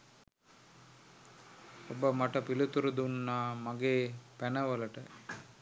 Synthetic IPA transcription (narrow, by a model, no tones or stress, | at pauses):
obɐmɐʈɐpilut̪uɾud̪unːaːmɐɡeːpɛnɐʋɐlɐʈə